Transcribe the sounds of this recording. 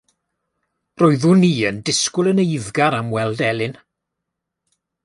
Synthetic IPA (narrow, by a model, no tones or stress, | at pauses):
roːɨðuːniːəndɪskʊlˠənejvɡaɾamwɛlˠdɛlˠɪn